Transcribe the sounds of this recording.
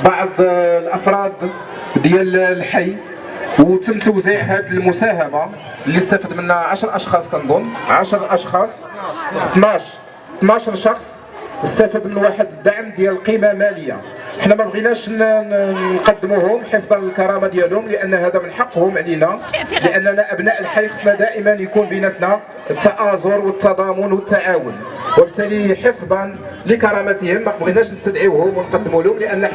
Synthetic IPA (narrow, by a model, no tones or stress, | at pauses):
bɑʕd̪ˤlʔɑfɾˤɑd̪ | d̪jællħajː | wt̪əmːt̪əwziʕhæd̪əlmʊsæɦæma | lːist̪æfəd̪mənʕaʃəɾˤʔɑʃxɑsˤkænd̪ˤʊnːʕaʃəɾˤʔɑʃxɑsˤ | t̪nɑʃ | t̪nɑʃɾˤʃɑxsˤ | əst̪æfəd̪mənwaħəd̪d̪aʕmd̪jæləlqimamæləjːa̰ | ʔəħnæmæbɣinæʃn | nqɑd̪ːəmuhʊmħefd̪ˤɑnləlkɑɾˤɑmad̪jælhʊmləʔənːhæd̪æmənħɑqːhʊmʕlinæləʔənːənæʔæbnæʔəlħaxsmæd̪æʔəmənjkunbənæt̪næ | ət̪ːɑʔɑzoɾwət̪ːɑd̪ˤɑmʊnwət̪ːaʕawʊn | wəbət̪ːæliħəfd̪ˤɑn | ləkɑɾˤɑmæt̪həmd̪ɑkbɣinæʃnəst̪əd̪ʕiwhʊmwənqɑd̪ːəmulhʊmləʔənːæ